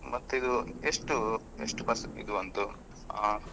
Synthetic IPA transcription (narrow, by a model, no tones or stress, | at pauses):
mɐt̪ːuid̪ueʂʈu | eʂʈupɐsḭd̪uʋɐnt̪u | a